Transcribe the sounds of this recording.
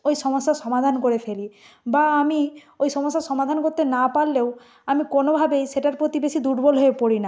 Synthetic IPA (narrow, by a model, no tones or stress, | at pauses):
ojsɔmɔsːasɔmad̪ʱankoɾepʰeli | baːmi | ojsɔmɔsːasɔmad̪ʱankoɾt̪ːenapalːew | amikonobʱabejseʈaɾpɾot̪ibesid̪uɖbɔlɦoepoɾina